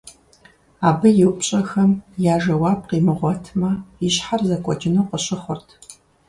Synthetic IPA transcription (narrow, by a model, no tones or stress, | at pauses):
aːbɨjɪwpɕʼɐxɐmjaːʒɐwɑːp̚qiːmɨʁʷɔtʰmɐiɕħarzɐkʷʼɔ̰t͡ʃʰʼɪnowqəɕʼɪχʷʊrtʰ